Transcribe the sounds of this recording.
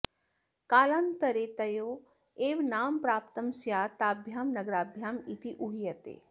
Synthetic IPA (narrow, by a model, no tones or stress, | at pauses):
kaːlant̪ɐɾet̪ɐjoː | eːʋnaːmpɾaːp̚t̪ɐmsjaːt̪aːbʱjaːmnɐɡɾaːbʱjaːmit̪iʔuɦijɐt̪ḛː